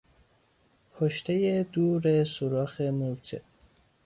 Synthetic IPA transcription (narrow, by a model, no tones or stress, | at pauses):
pʰoʃt̪ʰejed̪uːɾesoɾɒːxemuɾt͡ʃʰḛ